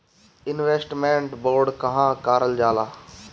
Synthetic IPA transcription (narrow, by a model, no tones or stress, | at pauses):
ɪnʋeːsʈmẽɳʈboːɾɖkɐ̃ɦãːkaːɾəld͡ʒaːlaː